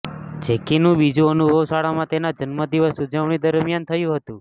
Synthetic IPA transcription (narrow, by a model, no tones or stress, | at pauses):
t͡ʃekinũbid͡ʒũənubʱəʋsaɭamãt̪enad͡ʒənməd̪iʋəsud͡ʒəʋɳ̃id̪əɾmjant̪ʰəjũɦət̪ũ